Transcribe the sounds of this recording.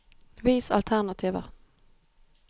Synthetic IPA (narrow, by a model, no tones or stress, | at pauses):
ʋiːsɑ̰lt̪ʰæʁnɑt̪ʰiːʋə̰